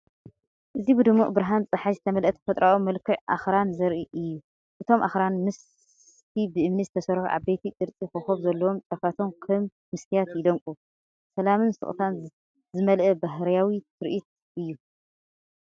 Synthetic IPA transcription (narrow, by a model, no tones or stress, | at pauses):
ʔɨzibɨd̪ɨmːuʔʼbɾaɦant͡sʼɨħazɨt̪ʰɐmɐlʔɐt̪ʰfɐt̪ʼɾʔaʔomɐlkʰːɨʕʔa̰xɾanzɐɾʔiʔɨjːu | ʔɨt̪ʰo̞mʔa̰xɾanmɨs | t̪ʰibɨʔɨmnizɨt̪ʰɐsɐɾħuʔa̰βbejt̪ʰit̪ʼɨɾt͡sʼixɨxoβzɐlːɐwo̞mt͡ʃʼɐfat̪ʰonkʰɐm | mɨsk̪ʰijat̪jɪd̪ɐŋkʼu | sɐlamɨnsɨ̰χʼt̪ʰan | zɨmɐlʔɐbaɦɾjawit̪ʰɨɾʔit̪̚ | ʔɨjːu